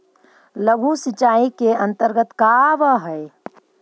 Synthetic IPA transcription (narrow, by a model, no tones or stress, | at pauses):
ləɡʱusɪt͡ʃaːikeə̃nt̪əɾɡət̪kaʋəɦəe